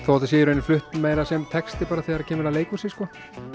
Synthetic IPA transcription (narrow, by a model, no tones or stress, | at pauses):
θawhat̪as̬ɛːjɾejnflʏht̪nmeːjlasɛmt̪ʰɛkst̪ɪpaːɾaθɛːɣaɾacʰɛːmɛlaleːjkusɪskɔ